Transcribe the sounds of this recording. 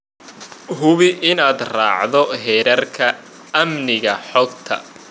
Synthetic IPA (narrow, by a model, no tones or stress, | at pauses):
ɦʊβɪʔɪnaːd̪raːʕðɔɦɛːɾɐrkʰɐ | ɐmnɪɣɐħɔɡt̪ʰɐ̰